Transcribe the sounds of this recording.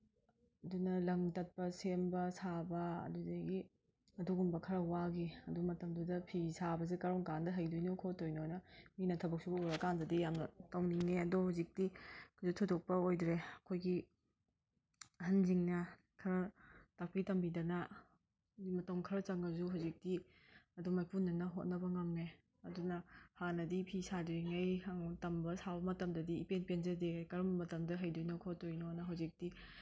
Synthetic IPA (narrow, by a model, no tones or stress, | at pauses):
ɐdunɐlɐŋtɐt̚pɐsembɐsabɐɐ̰dudeɡi | ɐduɡumbɐkʰɐɾɐwaɡiɐdumɐtɐmdudɐpʰisabɐs̬ekɐɾoŋkandɐɦɐjdojnokʰotojnojnɐminɐtʰɐbɐk̚sʰubɐuɾɐkandɐdijamnɐtɐwniŋneɐdohawzik̚tikʰzutʰudok̚pɐojdɾeɐkʰojɡi | ɦɐnziŋnɐ | kʰɐɾɐtap̚itɐmbidɐnɐ | imɐtɐmkʰɐɾɐt͡ʃaŋɐzuɦawzik̚ti | ɐdɔmajpunːɐnɐɦot̚nɐbɐŋamne | ɐdunɐhanɐdipʰisaduiŋajhaŋtɐmbɐsawbɐmɐtɐmdɐdiːpenpenzɐdejkɐɾmbɐmɐtɐmdɐɦajdojnɐkʰɔt̚dojnɔnɐɦawzik̚di